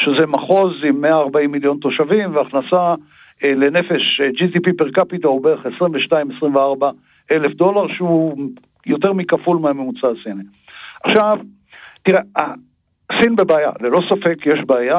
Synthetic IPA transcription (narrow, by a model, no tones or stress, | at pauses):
ʃezemaχo̞zimːeaːʁbaimːiljo̞nto̞ʃavimveaχnasa | ele̞ne̞fe̞ʃd͡ʒitipipeʁkapitaobeχe̞sʁimveʃnaimesʁimveaʁba | ʔe̞lefd̪o̞laʁʃeu | jo̞te̞ʁmikafulmeamemut͡sasini | aχʃav | t̪iʁea | sinbebeaja̰lelo̞safekjeʃbeaja